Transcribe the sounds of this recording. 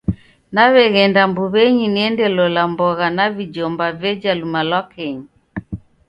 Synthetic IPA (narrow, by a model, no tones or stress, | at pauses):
naβɛɣɛndambuβɛɲiniɛndɛlɔlambɔɣanavid͡ʒɔmbavɛd͡ʒalumalwakɛɲi